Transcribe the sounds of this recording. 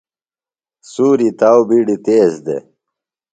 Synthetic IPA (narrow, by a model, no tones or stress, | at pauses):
suːɾit̪awbiɖit̪eːzd̪ḛ